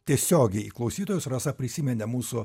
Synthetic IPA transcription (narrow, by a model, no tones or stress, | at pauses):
t̪ʲiɛsʲoːɡʲɛɪiklˠɐʊsʲiːt̪oːjʊsɾɑsɐpʲɾʲɪsʲimʲɛnʲɛmuːsʊ